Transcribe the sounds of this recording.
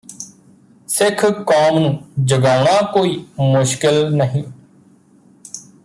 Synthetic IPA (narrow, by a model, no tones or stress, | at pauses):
sɪkʰkɔːmnũːd͡ʒəɡaːʊɳ̃aːkoːiːmʊʃkɪlnəɦĩː